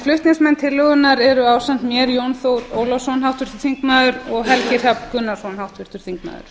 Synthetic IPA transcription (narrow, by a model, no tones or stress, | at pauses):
flʏht̪nɪsmɛnːt̪ʰɪlːœɣʏnaɾɛɾʏaːwsant̪mjɛɾjownθowɾoːwlɔsɔnɦawht̪fvɪɾ̥t̪ʏɾ̥θiŋkmaðʏɾɔɣɦɛlcɪɾ̥apkʏnːasɔnhawht̪vɪɾ̥t̪ʏɾ̥θiŋkma̰ːðʏ̰ɾ̥